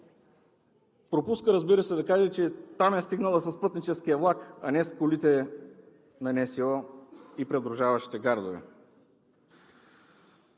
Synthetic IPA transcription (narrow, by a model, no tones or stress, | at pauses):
pɾopuskəɾɐzbiɾəsɛd̪ɐkaʒɛt͡ʃɛt̪amɛst̪iɡnəlˠɐsɐspɤt̪nit͡ʃɛskijɐvlˠakɐnɛskolit̪ɛ | nɐnɛsiɔipɾɛd̪ɾʊʒavɐʃi̥t̪ɛɡaɾd̪ovɛ̰